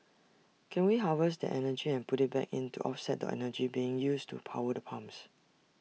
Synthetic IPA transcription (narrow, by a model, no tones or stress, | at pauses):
kʰɛ̃nwiɦavəsdə̰ʔɛnəd͡ʒiɛ̃npʊtɪt̚bɛ̰kḭ̃ntuʔɔfsɛt̚də̰ʔɛ̰nəd͡ʒibiɪ̃ŋjustṵpʰa̰ʊədəpʰãms